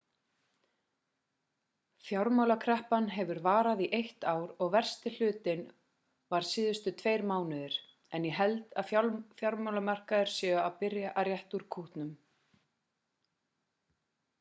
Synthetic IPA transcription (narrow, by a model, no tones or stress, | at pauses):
fjawɾmawlakʰɾɛhpanɦɛvʏɾvaːɾaðiʔejht̪aːwɾɔɣvɛr̥st̪ɪl̥ʏːt̪ɪn | vaɾ̥siːðʏst̪ʏt̪ʰvejɾmaːwnʏðɪɾ̥ | ɛnjɛɦɛlt̪aðfjafjawɾmawlamar̥kaðɪɾ̥sjɛːɣʏawpɪɾjaʔaɾjɛht̪uɾ̥kʰuht̪nʏm